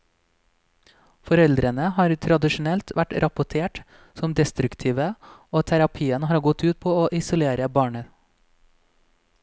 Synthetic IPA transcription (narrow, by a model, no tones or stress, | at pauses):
fɔɾɛld̪ɾənəhɑːɾt̪ʰɾɑd̪ɪʃʊn̩ɛlt̪ʋæʈɾɑpʊʈʰeːʈ | sɔmd̪ɛst̪ɾʉkt̪ʰiːʋəoːt̪ʰæɾɑpʰiːənhɑːɾɡɔt̪ʉːt̪̚pʰoːoːʔɪsʊleːɾəbɑːɳə